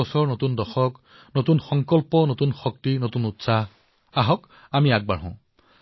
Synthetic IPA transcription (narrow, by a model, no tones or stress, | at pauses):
ɔsɔɹnotundɔxɔk | notunxɔŋkɔlpɔnotunxɔktinotunutsa | aɦɔk | amiak̚baɹɦɔ̃ʊ̃